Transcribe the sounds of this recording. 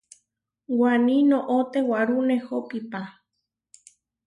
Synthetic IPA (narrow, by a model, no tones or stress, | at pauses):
wanĩnõʔot̪ewaɾunehopipa